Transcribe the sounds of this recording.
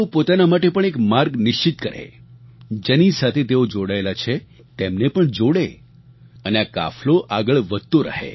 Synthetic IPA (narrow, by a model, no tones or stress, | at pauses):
opot̪anamaʈepəɳ̃ekmaɾɡnɪʃt͡ʃit̪kəɾḛ | d͡ʒenisat̪ʰet̪eod͡ʒoɽaelat͡ʃʰe | t̪emnepəɳd͡ʒoɽe | əneaka̰floʔaɡəɭʋəd̪̚t̪oɾə̰ɦḛ